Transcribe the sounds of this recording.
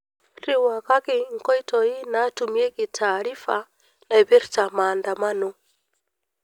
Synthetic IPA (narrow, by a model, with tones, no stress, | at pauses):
ɾi˦wa˨ka˦ki˨ŋ̩˨kɔ˦i˦tɔ˨ji˦na˦tu˨mi˦ɛ˦ki˨tʰaː˨ɾi˦fa˨ | na˨i˨βi˦ɾt͡sa˨ma˨nda˨ma˦nu˦